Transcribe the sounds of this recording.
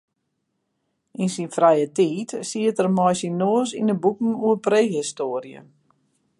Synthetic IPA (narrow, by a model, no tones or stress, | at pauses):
ʔinsinfrɛjətiːtsiətərmɔjsinːoːəsindəbukn̩uəpreːɦistoːrjə̰